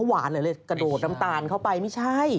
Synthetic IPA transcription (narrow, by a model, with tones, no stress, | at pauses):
a˧˥˩waː˩˦nlɤː˧˩˦lɤ˧˩jkɾa˧doː˨˩t̪̚na˦˥mt̪aː˧nkʰa˥˩wpa˧jma˦˥˩jt͡ɕʰa˥˩j